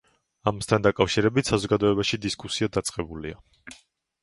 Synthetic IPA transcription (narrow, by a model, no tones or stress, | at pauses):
amast̪ʰand̪akʼafʃiɾɛbit̪ʰsazɔɡad̪ɔɛbaʃid̪iskʼusiad̪at̪sʼqʼɛbulia